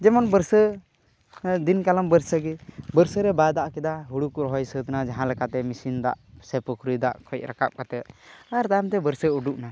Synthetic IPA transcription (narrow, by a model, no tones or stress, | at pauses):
d͡ʒɛmɔnbəɾsə | d̪inkalambəɾsəɡɛbəɾsəɾɛbad̪aʔkɛd̪aɦuɽukuɾɦɔjsət̪nad͡ʒaɦãlɛkat̪ɛmisind̪a̰ʔsɛpukʰɾid̪a̰ʔkʰɔc̪̚ˀɾakap̚kat̪ɛt̪̚aɾt̪ajmt̪ɛbəɾsəuɖuʔna